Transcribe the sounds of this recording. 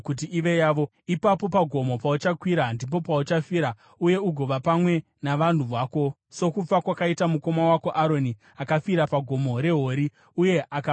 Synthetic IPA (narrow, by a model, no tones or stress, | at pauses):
kut̬iʔiʋe̞jaːʋo̞ | ipapo̞paɡʱo̞mo̞paut͡ʃakwiɾandip̬o̞paut͡ʃafiɾa | uje̞uɡʱo̞ʋapamwe̞ | naʋan̤uʋaːko̞ | so̞kup͡fakwakaitamuko̞mawako̞ʔaɾo̞ni | akafiɾapaɡʱo̞mo̞ɾe̞ɦo̞ɾi | uje̞ʔaka